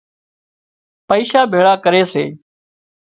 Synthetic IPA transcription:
pəiːʃaːbʱeːɭaːkəɾeːsḛː

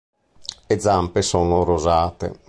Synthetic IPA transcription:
ed̪zːampesɔːnoɾozaːt̪ḛ

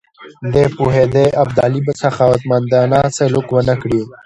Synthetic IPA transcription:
d̪epuɦed̪eʔɐb̚d̪aːlibsaxawət̪mand̪aːnaːselukwənəkɽi

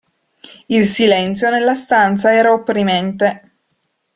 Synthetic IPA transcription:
ilsilɛnt̪sjonelːast̪ant̪saɛːɾaopːɾimɛnt̪e

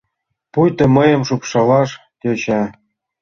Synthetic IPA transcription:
pujt̪ɤ̆məjə̆mʃupʃɑlɑʃ | t̪ʲet͡ɕɑ

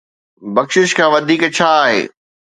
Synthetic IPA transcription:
bɐkʃɪʃkʰãːʋɐd̪ʱiːkt͡ɕʰaːaːɦḛː

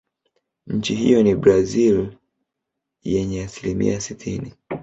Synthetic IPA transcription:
ɲ̩t͡ʃiɦḭjɔnibɾazil | jɛɲɛasilimḭasitʰini

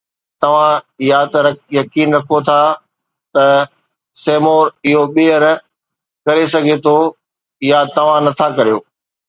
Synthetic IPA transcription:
t̪ɐʋ̤ãɪjat̪ɐɾɐjɐkiːnɾɐkʰot̪ʰa | t̪ɐ | seːmoːɾɪɦoɓeːəɾ | kɐɾesɐɡʱet̪ʰo | ɪjat̪ɐʋ̤ãnɐt̪ʰakɐɾijoː

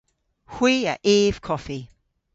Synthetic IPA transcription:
hwiːə̰ʔiːv̥kʰɔfi

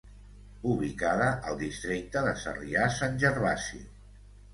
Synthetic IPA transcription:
uβlikaðəʔəlˠd̪ist̪ɾik̚t̪əðəsə̰riasanʲʒəɾβasḭ

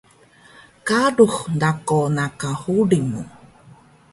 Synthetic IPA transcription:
kaɾuhnd̪akonakahuɾimṵ̃

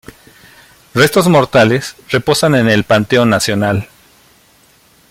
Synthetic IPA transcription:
re̞st̪o̞zmo̞ɾt̪ale̞sre̞po̞sane̞ne̞lpant̪e̞onasjo̞nal

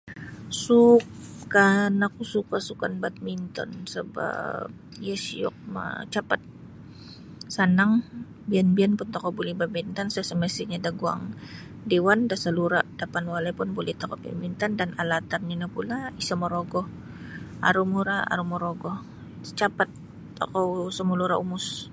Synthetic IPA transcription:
sukːanakusukasukanbat̪̚mint̪ɔ̰nsəba̰p̚jasiɔ̰k̚ma̰t͡ʃapat̪̚ | sanaŋ | bianbianpunt̪ɔkɔbulibabint̪ansasəməsiɲadaɡua̰ŋ | dewandasaluɾaʔd̥apanwalapʊnbolɛht̪akɔpḭmint̪andanalat̪arɲinapulaisamɔɾoɡɔh | a̰ɾumuɾaa̰ɾumɔɾoɡɔh | t͡ʃapat̪ː | o̰kawsəmuluɾaumʊs

